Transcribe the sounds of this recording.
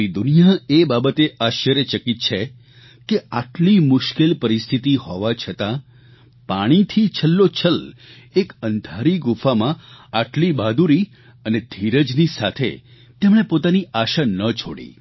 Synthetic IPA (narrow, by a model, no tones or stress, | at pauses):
id̪ʊnijaebabət̪eʔaʃjəɾət͡ʃəkit̪̚t͡ʃʰe | keaʈlimʊʃkelpəɾist̪ʰit̪ihɔʋat͡ʃʰət̪ã | paɽ̃it̪ʰit͡ʃʰəlːot͡ʃʰəl | ekənd̪ʱaɾiɡʊfamãaʈlibad̪uɾi | əned̪ʱiɾəd͡ʒnisa̰t̪ʰḛ | t̪emɽ̃epot̪aniaʃanət͡ʃʰo̰ɽḭ